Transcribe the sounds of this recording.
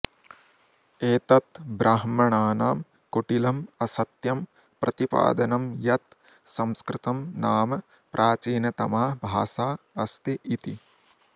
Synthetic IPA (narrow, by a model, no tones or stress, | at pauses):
eːt̪ɐt̪bɾaːɦmɐɳaːnaːm | kuʈilɐmɐsɐt̪jɐm | pɾɐt̪ipa̰ːd̪ɐnɐmjɐt̪ | sɐ̃mskɾɪt̪ɐmnaːmɐ | pɾʔaːt͡ʃiːnɐt̪ɐmaːbʱaːsaː | ɐst̪iʔit̪i